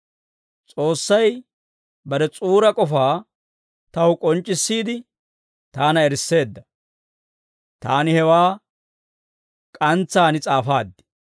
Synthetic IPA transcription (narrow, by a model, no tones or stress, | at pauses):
t͡sʼo̞ːsːɐj | bɐɾɛt͡sʼuːɾɐkʼɔfaː | t̪ɐwʊkʼɔnt͡ʃʼːɪsːiːd̪ɪ | t̪aːnɐɛɾsːe̞ːd̪ːɐ | t̪aːnɪhɛwaː | kʼɐnt͡sːaːnɪt͡sʼaːfaːd̪ːɪ̥